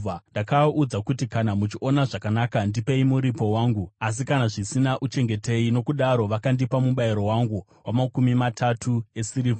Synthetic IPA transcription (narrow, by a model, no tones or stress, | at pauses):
ndakaud͡zakutikanamut͡ʃiʔo̞naʐakanakandipe̞imuɾipo̞waːŋɡuas̬ikanaʐisinaʔut͡ʃe̞ŋɡe̞te̞ino̞kuɗaɾo̞ʋakandipamuɓaiɾo̞waŋɡu | wamakumimatʰatʰue̞siɾiːva